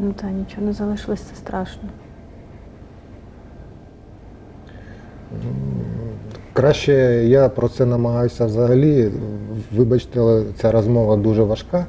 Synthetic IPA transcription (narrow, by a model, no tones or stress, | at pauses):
nʊt̪ɑnʲit͡ʃɔnɛzɐlˠɪʃlˠɔsʲt͡sɛ̥st̪ɾɑʃnɔ | kɾɑɕɛjapɾɔt̪sɛnɐmɐɦɑjʊsʲɐʋzɐɦɐlʲi | ʋɪbɐt͡ʃt̪ɛt͡sʲaɾɔzmɔʋɐd̪uʐɛʋɐʂkɑ